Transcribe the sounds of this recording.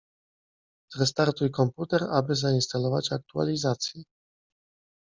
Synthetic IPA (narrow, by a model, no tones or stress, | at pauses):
t̪ɾɛst̪aɾt̪ujkɔmput̪ɛɾabɘzainst̪alɔvat͡ɕʲak̚t̪ua̰lʲizat̪sʲji